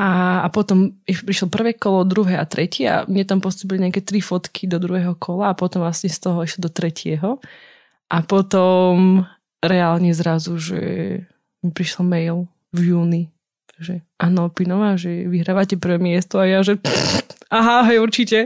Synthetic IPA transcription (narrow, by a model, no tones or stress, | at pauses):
ʔaːpɔt̪ɔmiʃpɾiʃlɔpr̩ʋɛːkɔlɔɔd̪ɾuɦɛjat̪ɾɛcɛa̰mɲɛt̪ampɔst̪uːp̬iliɲɪakɛt̪ɾifɔt̪kʰid̪ɔd̪ɾuɦɛːɦɔkʰɔlaːpɔt̪ɔmʋlasɲɛst̪ɔɦɔiʃlɔd̪ɔt̪ɾɛcʰɪɛɦɔ | ʔapɔt̪ɔm | ɾɛaːlɲɛzɾazuʒɛ̰ | mɛpɾiʃlɔmɛjl | vjuːni | ʒɛʔaːnɔpinɔʋaʒɛʋiɦɾaːʋacɛpr̩ʋɛːmɪɛst̪ɔajaʒɛ | aɦaɦɛjuɾt͡ʃicɛ